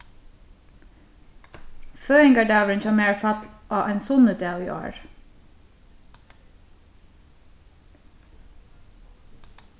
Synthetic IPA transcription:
føːɪŋɡɑɖɑːʋɹənçɑːmeːɹfɑt̪ʔɑːʔæɪnsʊnəd̪eːiːʔo̰ːɹ

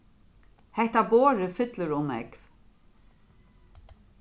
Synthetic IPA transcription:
hɛht̪aboːɾʏfʏt̪lʏɾʊmɛ̰k

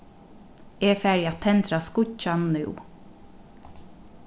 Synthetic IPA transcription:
ɛfæɹjat̪ʰɛnt̪ɾaskʊcanːʉ̰w

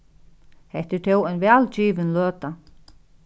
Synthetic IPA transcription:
hɛht̪ɪt̪ʰɛwɔjnʋɛːlt͡ɕiːʋɪnløːt̪a

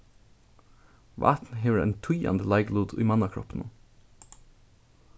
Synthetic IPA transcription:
ʋʔæ̰ːt̪n̩heːʋəɹḛːnt̪ʰʊjɑ̰nd̪əlɑɪɡluːd̪ḭːmɑnɑkʰɹɔ̰pn̩

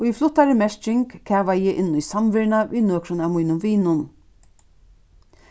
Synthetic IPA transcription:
ʊiflʊht̪ːaɾɪmɛʃt͡ʃɪŋkkʰæːʋajɛːʔɪnːʊjsamʋɪɾnaʋiðnøːkɾʊnavmujnʊmʋiːnʊn

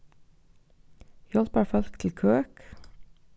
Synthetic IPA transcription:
jɔlpæːɹfœlkt̪ʰl̩kʰøːk

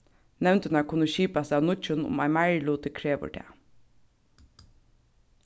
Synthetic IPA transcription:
nɛʋnt̪ənɑkʰʊnəʃiːpasaʋnʊt͡ʃənʊ̰mæ̰ɪmæɹluːt̪əkʰɹeːʋə̰ɖʰḛː

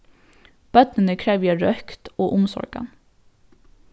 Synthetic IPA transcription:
b̥œt̪nənəkʰɹæːʋjæɹœkt̪oːʔʊmsɔ̰ɹɡ̥ɑ̰n

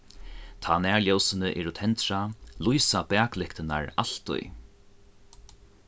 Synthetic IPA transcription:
t̪ʰaːnɛːɹljɔwsɪnəʔɛɾʊt̪ʰɛnt̪ɾalujsapɛːklɪhkt̪ɪna̰ɹal̥t̪ʊ̰j

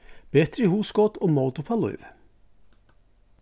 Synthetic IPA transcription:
b̥et̪ɾəhuːskɔt̪ʰoːmɔlt̪ʊpʰɑlʊ̰ʏʋ

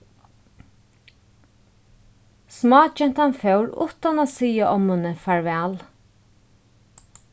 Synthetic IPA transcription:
smɑːt͡ʃɛnt̪hanfœwɾʊ̰t̪anaːsiːaʔɔmhʊnəfaɹʋɛːl

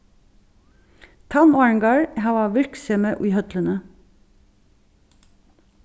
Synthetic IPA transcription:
t̪ʰɑmɑɹŋɡɑːɹhɑːʋɑːʋɪɹksɛməʔʉːhœt̪lənə

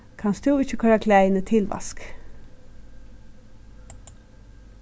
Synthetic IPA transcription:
kʰɑnsd̪ʉːɪçəkʰɑɾɑkʰlæɪnət̪ʰɪlʋɑ̰sk

